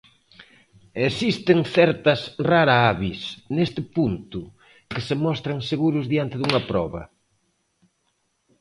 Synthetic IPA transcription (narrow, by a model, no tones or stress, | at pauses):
esist̪ɪŋθɛɾt̪ɐsraɾaaβisnest̪ɪpunt̪ʊ | kɪsemɔst̪ɾɐŋseɣuɾʊzðiant̪ɪðuŋɐpɾɔβɐ̰